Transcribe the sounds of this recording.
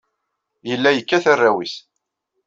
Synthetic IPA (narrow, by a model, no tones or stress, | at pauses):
jəlːæjəkːæθarːawiθ